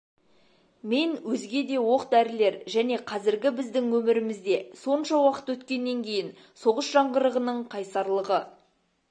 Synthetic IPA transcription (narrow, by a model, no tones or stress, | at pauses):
me̞nwɵzɡʲe̞d̪e̞wo̞qd̪æɾɪle̞ɾʒæne̞qʰɑzɪɾɡʲɪbɪzd̪ɪŋwɵmɪɾɪmɪzd̪e̞so̞nʃɑwɑqə̥t̪wɵt̪kʲe̞nːe̞ŋkʲʰe̞jɪn | so̞ʁəsʒɑɴʁəɾəʁənəɴqʰɑjsɑɾlˠəʁə